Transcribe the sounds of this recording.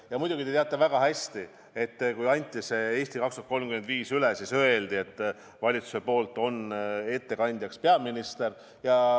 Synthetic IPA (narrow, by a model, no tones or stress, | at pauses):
jɑmujd̪uɡ̥it̪e̞t̪eɑt̪ːˑevæɡ̥ɑɦæsʲt̪i | e̞t̪ːkujɑnʲt̪ʲːˑise̞e̞ːst̪ikɑkst̪u̥ɑt̪ko̞lmkymend̪viːsylesisø̞e̞ld̪ie̞t̪ːˑ | vɑlʲit̪su̥se̞po̞ːlt̪ːˑo̞ne̞t̪ːe̞kɑnʲd̪jɑkspe̞ɑminist̪er | jɑ